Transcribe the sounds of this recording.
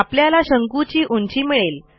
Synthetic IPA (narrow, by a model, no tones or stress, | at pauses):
apljalaɕəŋkut͡ɕiːʔuɲt͡ɕiːmiɭel